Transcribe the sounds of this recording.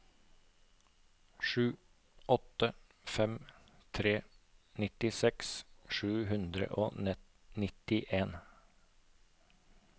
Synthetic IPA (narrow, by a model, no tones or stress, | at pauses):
ʃʉː | ʔɔt̪ə | fɛm | t̪ʰɾeːnɪt̪ɪsɛksʃʉːhʉnd̪ɾə̰ʔo̰ː | nɪt̪ɪʔeːn